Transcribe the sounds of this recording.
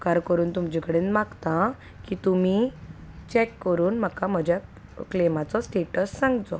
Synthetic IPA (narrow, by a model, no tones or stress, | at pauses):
kaɾkəɾuːnt̪umd͡ʑikəɽeːnmaɡt̪a | kit̪umi | t͡ɕɛkːəɾuːnm̤akam̤əd͡ʑja | klemat͡sɔsʈeʈəsːãŋɡt͡sɔ